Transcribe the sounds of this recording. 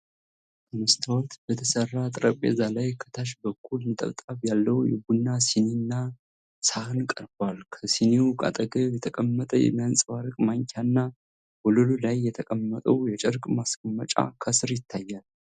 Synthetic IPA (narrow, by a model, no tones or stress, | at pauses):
t̪ɨmɨst̪ʰawɔt̪bət̪ʰəsərːat̪ʼɾəpʼḛzalajkʰə̥t̪ʰaʃ̬bəkʰːulmɨt̪ʼə̰βt̪ʼaβjalːəwjɛ̰ɡunːasininːa | sahɨnkʼəɾbalkʰəsiniukʼa̰t̪ʼəɡəjɛt̪ʰəkʼəmːət̪ʼəjɛ̰mːijansʼwaɾɨkʼmaŋkʰanːa | bɔlululajːɛt̪ʰəkʼəmːət̪ʼəwjɛt͡ʃʼɛɾkʼmaskʰəmːət͡ʃʼa̰kʰəsɨɾjɪt̪ʰːajːal